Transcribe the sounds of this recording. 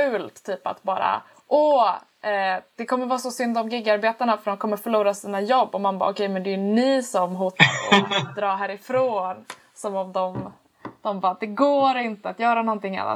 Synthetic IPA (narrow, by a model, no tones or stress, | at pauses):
ʉ̟ːlt̪ʰːyːpa̰t̪bɑːɾa̰ | ʔɔ | ʔɛd̪̥ɛkʰɔmːəɾvɑːsɔsʏnd̪ɔmɡɪɡːaɾbeːt̪aɳafœɾɖ̪ɔmkʰɔmːəɾfœɭuːɾasiːnajɔbːɔmanbɑ̰ːɔkʰɛjmɛnd̪ɛʉnɪsɔmɦuːt̪aɾd̪ɾɑːɦæːɾɪfɾoːn | sɔmɔmd̪ɔm | d̪̥ɔmbɑːd̪ɛɡoːɾɪnt̪əat̪jœːɾanɔnt̪ɪŋːa̰lːa̰